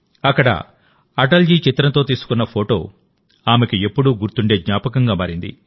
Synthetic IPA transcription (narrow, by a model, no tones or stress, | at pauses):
ɐkːɐɽɐ̰ | ɐʈɐld͡ʒiːt͡ʃit̪ɾɐnt̪o̞ːt̪iːsu̥kunːɐpʰo̞ːʈo̞ː | aːmekiepːuɽuɡuɾt̪uɳɖe̞ːd̪ɲaːpɐkɐŋɡaːmaːɾind̪ḭ